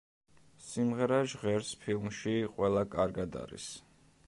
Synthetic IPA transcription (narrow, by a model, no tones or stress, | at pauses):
simʁɛɾaʒʁɛɾspʰilˠmʃiqʼwɛlˠakʼaɾɡad̪a̰ɾḭs